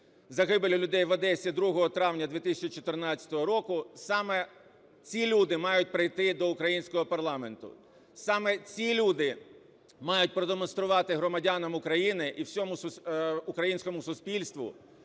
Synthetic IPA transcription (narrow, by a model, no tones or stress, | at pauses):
zɐɦɪbelʲʊlʲʊd̪ɛjʋɐd̪ɛsʲɐd̪ɾuɦɔɦɔt̪ɾɑʋnʲɐd̪ʋʲit̪ɪsʲɐt͡ʃit͡ʃɔt̪ɪrnɑt͡sʲːɐ̥t̪ɔɦɔɾɔkʊsɑmɛ | t͡sʲilʲud̪ɪmɑjʊt̚ʲpɾɪjt̪ɪd̪ɔʊkɾɐjinʲsʲkɔɦɔpɐrlˠɑment̪ʊ̰ | sɑmɛt͡sʲilʲud̪ɪ | mɑjʊt̚ʲpɾɔd̪emɔnst̪ɾʊʋɑt̪ɪɦɾɔmɐdʲɑnɐmʊkɾɐjinɪʔiwsʲɔmʊsʊʊkɾɐjinʲsʲkɔmʊsʊsʲpʲilʲst̪ʋʊ̰